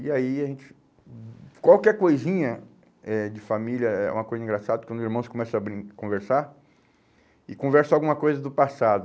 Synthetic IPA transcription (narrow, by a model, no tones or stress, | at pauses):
iaiaʒẽnt͡ʃɪ̥ | kwawkɛɾkojzĩɲɐ | ɛd͡ʒɪfamilʲɐɛ̰ṵ̃mɐkojzɐĩŋɡɾasad̪ɐkwɐ̃nʊziɾmɐ̃w̃skõmɛsɐ̃abɾĩkõveɾsaɾ | ɪkõvɛɾsɐawɡũmɐkojzɐd̪ʊpasad̪ʊ